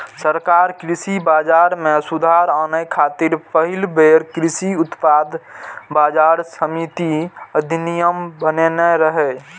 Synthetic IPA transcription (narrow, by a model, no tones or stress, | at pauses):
səɾkaːɾkɾisibaːd͡ʒaːɾmẽsud̪ʱaɾaːnəkʰaːt̪iɾpəɦɪlbeɾkɾɪsiʊt̪paːd̪baːd͡ʒaɾsəmit̪iəd̪ʱinijəmbənenɛɾəɦɛ